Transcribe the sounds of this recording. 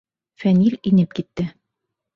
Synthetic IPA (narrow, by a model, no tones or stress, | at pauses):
fænilʲinɘp̚kit̪ːɘ